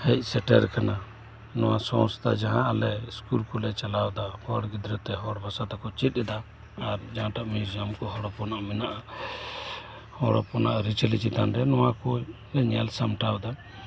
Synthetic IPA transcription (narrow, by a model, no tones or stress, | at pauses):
hɛc̚ˀsɛʈɛ̰ɾkana | nɔwa̰sɔ̃st̪ʰad͡ʒaɦãʔalɛskulkɔlɛt͡ʃalawd̪ahɔɽɡid̪ɾɔt̪ːɛɦɔɽbʱasat̪akɔt͡ʃit̪̚ˀɛd̪aː | ɾd͡ʒaɦãʈaʔmid͡ʒamkɔɦɔɽɔpɔnaʔmɛnaʔa | hɔɽɔ̰pɔnaʔɾit͡ʃɛlit͡ʃit̪anɾɛnɔwãkɔ | ɲɛlsamʈawd̪a